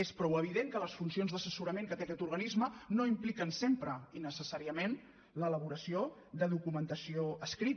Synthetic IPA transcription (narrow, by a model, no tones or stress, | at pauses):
espɾɔwəβ̞iðeŋkələsfunsionzðəsəsuɾəmẽŋkək̪ɛkɛt̪uɾɣənizmənoimplikənsempɾəinəsəsaɾiəmen | lələβuɾəsio | ðəðukumənt̪əsioəskɾit